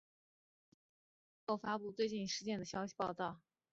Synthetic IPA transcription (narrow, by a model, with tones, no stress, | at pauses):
ko˥˩ʊfa˥pu˥˧t͡swe˥˧ɪt͡ɕi˥˩nʂɻ̩˧˥t͡ɕjɛ˥˩nd̪ə˩ɕjɑ˥ʊɕi̥˨˧˥pɑ˥˧ʊt̪ɑ˥˩ʊ